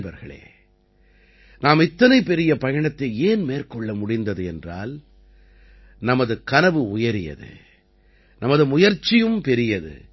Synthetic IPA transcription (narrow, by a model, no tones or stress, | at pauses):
bɐ̰ɾɣɐɭḛː | naːmɪt̪ːɐnɐɪpːɛɾɪjɐpɐjɐɳɐt̪ːɐɪeːnmeːrkɔɭːɐmʊɽɪnd̪ɐðɯɛndra̰ːl | nɐmɐðɯkɐnɐʋɯʊjɐɾɪjɐ̰ðɯ̰ | nɐmɐðɯmʊjɐɾt͡ʃːɪjɯmpɛɾɪjɐðɯ̰